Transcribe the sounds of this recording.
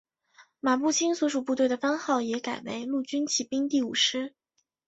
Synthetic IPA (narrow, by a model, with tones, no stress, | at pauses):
ma˨˩pu˥˩t͡ɕʰi˥nswɔ˧˥ʂu˨˩pu˥˧t̪we˥˩ɪd̪ə˩fa˥ŋxɑ˥˩ʊjɛ˧˥ka˨˩ɪwḛ˧˥ɪlu˥˩t͡ɕy˥nt͡ɕʰi˥˩pi˥ŋt̪i˥˩ṵ˨˩ʂɻ̩˥